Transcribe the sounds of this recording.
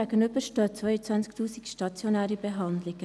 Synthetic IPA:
æːɡənybəʃtøːt͡svœjət͡svant͡sktʰuːsikʃtɑt͡sjonɛːɾibeɦɑnd̪lɪɡ̥ə

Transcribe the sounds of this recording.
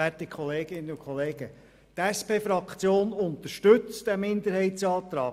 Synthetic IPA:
ætikʰχɔleːɡɪnːəʊkʰχɔleːɡə | t̪æspeːfɾɑkt͡sjoːnʊnt̪əʃtɵt͡sd̥æmɪnd̪əɾhɛɪtsɑːt̪ɾɑ̰ː

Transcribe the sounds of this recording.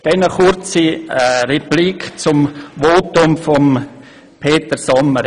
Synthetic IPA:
d̥ɛnəχʊɾt͡sirɛplikt͡sʊmvoːtʊmfɔm | pʰeːt̪əɾsɔmːəɾ

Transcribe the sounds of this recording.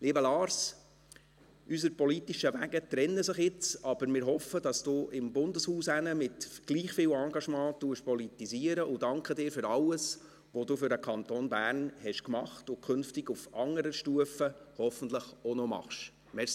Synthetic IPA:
liːbəlɑːɾs | ʔysəɾpɔlitiʃəʋæɡət̪ɾɛnːəsəχɪt͡sɑb̥əɾmɪːɾɦɔfəd̥ɑsd̥uːʔɪmbʊndəshuːsænəmɪtɡ̥liːχfɪːwɑːŋɡɑʃmɑ̃ːtuəʃpɔlit̪iziəɾəʔʊdɑŋkχədɪːɾfʏɾɑwəs | ʋɔduːfʏɾəkʰɑnt̪onbæːɾnhɛʃkmɑχtʊkʰʏnftɪɡufɑŋːəɾəʃtuəfəhɔfən̩t̪ləχɔnɔmɑ̰χʃ | mɛs

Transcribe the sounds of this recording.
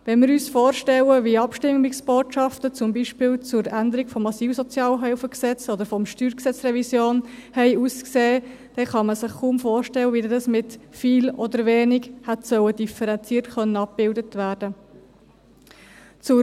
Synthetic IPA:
ʋɛnmɪɾyːsfoːɾʃtɛləʋiɑpʃtɪmmːɪksb̥oːtʃɑftət͡sʊmbiʃpɪːlt͡sʊɾænd̪əɾiɡfɔmːɑsiːfsɔt͡sjɑːlɦœʊfəksɛt͡sɔd̪əɾfɔmʃtyːɾksɛt͡sɾɛvisjoːnhɛɪuːskseː | d̥ɛχɑməsɪχkuːmfoːrʃtɛwəʋidɑsmɪtfiːlɔd̪əɾʋeːnɪkhætsœwədifəɾɛnt͡siːɾtχœnːəɑp̚bɪldətvæːɾd̥ə | t͡sʊ

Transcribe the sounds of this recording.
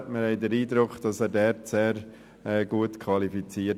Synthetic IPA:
tməɾhɛɪdəɾiːdɾʊkd̥ɑsɛːɾdɛɾtseːɾ | ɛːɡuətkʰvɑlifit͡siː

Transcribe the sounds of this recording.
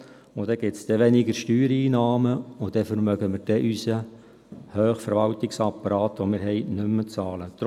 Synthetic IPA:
ʊd̥̪ɛɡ̥ɪtsd̥ɛʋɛnɪɡəʃtyːɾiːnɑːməʊd̥ɛfəɾmœɡəmɪɾd̥ɛʔysə | høːχfəɾʋɑltɪksɑpːɑɾɑːt̪ʋomɪːɾɦɛɪnʏmːət͡sɑːlət̪

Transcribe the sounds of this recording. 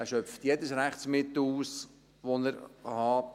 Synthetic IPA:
æʃœft̪jɛdəsɾæχt͡smɪt̪l̩uːs | ʋonəɾhɑ

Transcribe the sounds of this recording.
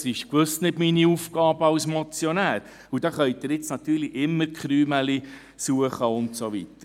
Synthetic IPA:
sɪʃkʋɵstnɪd̥miniufɡ̥ɑːbəɑwsmɔt͡sjɔnæːɾ | ud̥ɑχœʏd̥̪ɪɾɪt͡snɑt̪yːɾliʔɪmːəɾkχɾyːmɛli | suəχəʊntsoʋḭtəɾ

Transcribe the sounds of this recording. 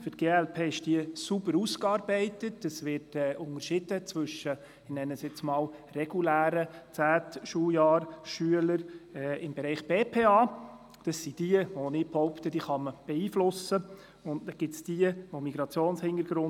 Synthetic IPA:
fʏtɡ̥eːɛlpʰeːɪʃd̥iəsubəɾuskɑːɾbɛɪtətːəsʋɪrtɛʔʊŋəɾʃɪd̥ət͡svʏʃə | nɛnːəsjɛt͡smɑːlrɛɡ̥ulæːɾət͡sæːtʃujɑːɾʃyələɾɛːɪmbɛɾɛɪχb̥eːpʰeːɑː | d̥ɑsːid̥iəʋonɪbhɔʊpt̪əd̥iːχɑməb̥ɛiːflʊsə | ʊntnɛɡ̥ɪtsd̥iəʋomiɡ̥ɾɑt͡sjoːnshɪndəɾɡ̥ɾʊn

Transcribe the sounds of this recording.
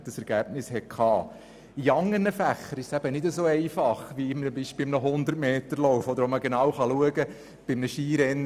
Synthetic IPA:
d̥əsɛɾɡ̥æb̥nɪshɛt̚kʰχɑː | iɑŋːərnəfæχːəɾɪʃsæb̥ənɪdəsoːɛɪfɑχʋiɪmmbiʃpɪɪmnəɦʊnd̪ətmeːt̪əɾlɔwfɔd̪əɾɔməɡenɑːwχɑluəɡə | b̥ɪmnəʃiːɾɛnː

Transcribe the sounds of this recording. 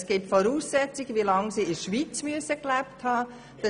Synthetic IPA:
sɡ̥iptfɔɾuːsːɛt͡sɪɡ̥əvilɑŋsiːɪʃʋit͡smyəsəklæpthɑː | d̥ə

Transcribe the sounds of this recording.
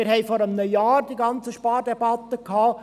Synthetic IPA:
ɪɾhɛɪfɔɾəmnəjɑːɾd̥iɡɑnt͡səʃpɑːɾdɛbɑt̪əkʰhɑː

